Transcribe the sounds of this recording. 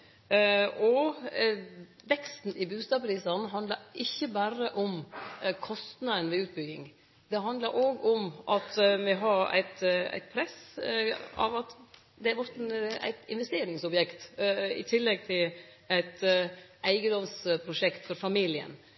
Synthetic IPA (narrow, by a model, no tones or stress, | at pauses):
ɔ | ʋɛkst̪n̩ɪbʉːst̪ɑːbʰɾiːsɑnɦɑnd̪ləɾɪçːəbæɾəʔɔmkʰɔst̪nɑənʋɪʉːt̪̚bʏɡɪ̰ŋ | d̪̥ɛɦɑnd̪ləɾʔoːɡɔmʔɑt̪mɛɦɑɾæ̰ɪt̪æ̰ɪt̪̚pʰɾɛs | ɑ̰ʋɑt̪ | d̪ɛæɾʋɔɾt̪æ̰ɪt̪ɪ̰nʋɛst̪eːɾɪŋsɔbjɛkt̪ɪ̰t̪ʰɪlːɛɡ̚t̪ʰɪl | æɪt̪æɪɡəd̪ɔmspʰɾʊʂɛkt̪fɔɾfɑmiːlɪə̰n